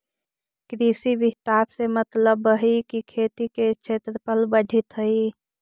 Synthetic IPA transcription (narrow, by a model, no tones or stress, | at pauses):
kɾisibit̪aɾsemət̪ləbəɦikikʰet̪iket͡ʃʰet̪ɾəpəlbəɖʱit̪ɦəi